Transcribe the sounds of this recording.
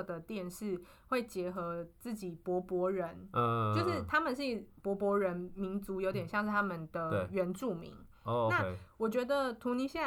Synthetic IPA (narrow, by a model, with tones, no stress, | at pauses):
d̪ə˩t̪jɛ˥˨˧nʂɻ̩˥˩ | xwe˥˩ɪt͡ɕjɛ˧˥xɤ˧˦t͡sɹ̩˥˩t͡ɕi˨˩pwɔ˧˥pwɔ˧˥ɻə˧˦no˥˧ʊʂɻ̩˥˩t̪ʰa˥mə˨nʂ̬ɻ̩˥˩pwɔ˧˦˥pwɔ˧˥ɻə˧˦nmi˧˦ŋt͡su˧˥jo˧˦t̪̬jɛ˨˩ɕjɑ˥˧ŋʂɻ̩˥˩t̪ʰa˥mə˨nd̪ə˨˩˨ɥɛ˧˥nʈ͡ʂu˥˩mḭ˧˥ŋ | na˥˨˧wɔ˨˩t͡ɕɥɛ˧˦˥d̪ə˨t̪ʰu˧˥ni˧˥ɕja˥˩